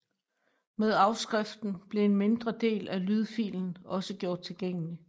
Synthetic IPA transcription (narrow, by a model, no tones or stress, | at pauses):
með̞ˠɑ̈ʊsɡ̥ʁɛfd̥n̩b̥le̝enme̝nd̥ʁɐd̥e̝̰ːlælyð̞ˠfḭːln̩ɒ̽səɡ̥jo̝ɐ̰d̥̚t͡sʰe̝lɡ̥eŋ̰əli